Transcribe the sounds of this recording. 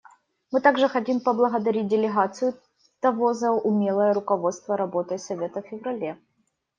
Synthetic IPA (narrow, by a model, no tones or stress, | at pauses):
mɨt̪aɡʐɨxɐtʲimpəblˠəɣəd̪ɐɾʲit̚ʲdʲɪlʲɪɣat̪sɨjʊ | t̪ɐvozɐʊmʲelˠəjəɾʊkɐvo̞t̪st̪vəɾɐbo̞t̪ɨsɐvʲe̞t̪əfʲɪvɾɐlʲe